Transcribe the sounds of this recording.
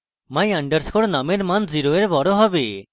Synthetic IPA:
maj̃aɳɖəɾskʰoɽnameɾmanziɾoeɾbɔɽoɦɔbe

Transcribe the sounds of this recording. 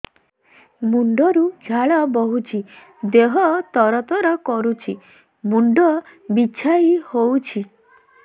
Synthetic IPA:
muɳɖɔɾud͡ʒʱaɭɔbɔɦut͡ʃʰi | d̪eɦɔt̪ɔɾɔt̪ɔɾɔkɔɾut͡ʃʰi | muɳɖɔbit͡ʃʰaihowt͡ʃʰi

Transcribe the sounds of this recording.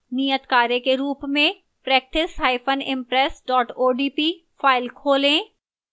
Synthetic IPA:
nijət̪kaːɾekeɾuːpmẽ | pɾɛːk̚ʈɪshaːɪfʰənɪ̃mpɾɛːsɖɔːʈoːɖiːpiː | faːɪlkʰoːlẽː

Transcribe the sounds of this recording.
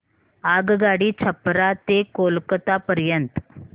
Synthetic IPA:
aɡɡaɽiːt͡ɕʰəpɾat̪ekolkt̪apəɾjənt̪

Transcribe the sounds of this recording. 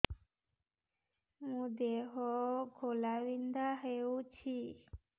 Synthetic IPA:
m̃ũd̪eɦoɡʱolawind̪aɦeut͡ɕʰi

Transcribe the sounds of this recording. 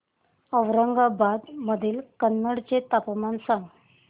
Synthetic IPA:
əʋɾəŋɡabad̪məd̪ʱiːlkənːəɽt͡ɕet̪apmansãŋɡ

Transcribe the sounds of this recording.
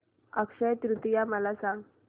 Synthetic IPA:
əkʂəjt̪ɾut̪ijaməlasãŋɡ

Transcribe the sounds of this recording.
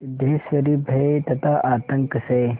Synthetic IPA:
d̪eːsʋɐɾibʱɐet̪ɐt̪ʰaʔaːt̪ɐŋkəsɐ

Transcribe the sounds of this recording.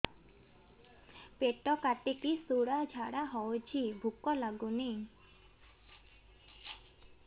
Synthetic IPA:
peʈːɔkaʈekisoɽad͡ʑʱaɽaɦɔot͡ɕʰibʱukːɔlaɡuni

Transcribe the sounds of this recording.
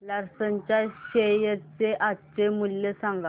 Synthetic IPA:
laɾsənt͡ʃaɕejət͡sːeʔat͡ʃːemulːesaŋɡa

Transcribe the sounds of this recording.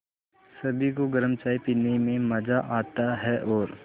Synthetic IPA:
sɐbʱikoɡɐɾəmt͡ʃaːipinemẽmɐd͡ʒaʔaːt̪aɦɛʔɔːɾ

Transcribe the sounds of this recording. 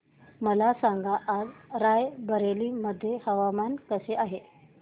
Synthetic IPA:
məlasaŋɡaʔːd͡zɾajbəɾeliːməd̪ʱːjehəʋamankəseaɦe

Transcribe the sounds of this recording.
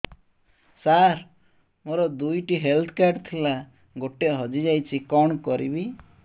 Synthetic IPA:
saɾ | moɾɔd̪ujʈiɦelt̪ʰɔ̥kaɾʈt̪ʰila | ɡoʈeʔɦɔd͡ʒid͡ʒajt͡ʃʰikɔɳ̃kɔɾibi

